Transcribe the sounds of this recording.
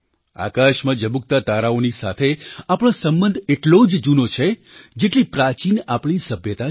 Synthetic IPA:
a̰kaʃmãd͡ʒəbuk̚t̪at̪aɾaonisa̰t̪ʰeapɽ̃õsəmbənd̪ʱeʈlod͡ʒd͡ʒunot͡ʃʰe | d͡ʒeʈlipɾat͡ʃinapɳ̃isəbʱjət̪a

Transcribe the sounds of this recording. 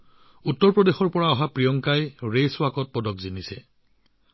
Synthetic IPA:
utːɔɹpɹɔdexɔɹpɔɹaɔɦapɹijɔŋkajɹejswakɔt̚pɔdɔkzinisɛ

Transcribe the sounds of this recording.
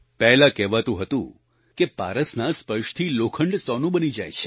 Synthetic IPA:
pɛɦlakɛʋat̪ũɦət̪ṵ̃ | kepa̰ɾəsnaspəʃt̪ʰilokʰəɳɖsɔnũbənid͡ʒajt͡ʃʰe̥

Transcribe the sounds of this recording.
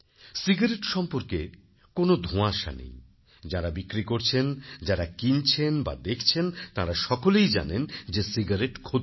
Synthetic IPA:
siɡaɾeʈʃɔmpoɾke | konod̪ʱõaʃa̰nḛj | d͡ʑaɾabikɾikoɾt͡ɕʰend͡ʑaɾakint͡ɕʰenba̰d̪ekʰt͡ɕʰent̪aɾaʃɔkolejd͡ʑa̰nend͡ʑesiɡaɾeʈkʰo

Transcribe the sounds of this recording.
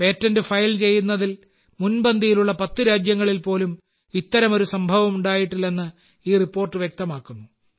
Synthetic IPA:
pe̞ːtːɐndɨfɐjlt͡ɕe̞jːunːɐðil | munbɐnd̪ʱijiluɭːɐpɐt̪ːɨɾaːd͡ʑjɐŋːɐɭilpo̞ːlum | it̪ːɐɾɐmo̞ɾusɐmbʱɐʋɐmuɳɖaːjiʈːilːe̞nːɨ | iːripːo̞ːrʈːɨʋjek̚t̪ɐmaːkːunːu

